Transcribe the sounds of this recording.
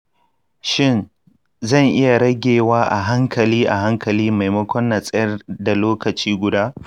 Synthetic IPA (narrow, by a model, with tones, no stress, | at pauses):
ʃɪ˦˨n | zɐ˦˨ŋʔɪ˦ja˨ɽɐ˦ɡʲeː˨waː˦ʔa˨ɦa˦ŋkʰɐ˨liː˦ʔa˨ɦa˦ŋkɐ˨liː˦ma˨jmɐ˦kʷɔ˦nːa˨sʼɐ˦jɐ˦rda˨loː˦kɐ˨t͡ʃiː˦ɡʷʊ˨daː˦